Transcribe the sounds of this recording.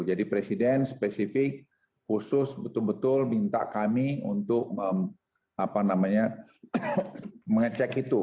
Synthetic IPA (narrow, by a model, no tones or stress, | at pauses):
d͡ʒadipɾɛsidɛnspɛsifɪk̚ | husʊsbət̪ʊlbət̪ʊlbint̪a̰ʔkamiṵnt̪ʊk̚əm | apanamaɲa | məŋət͡ʃɛkit̪u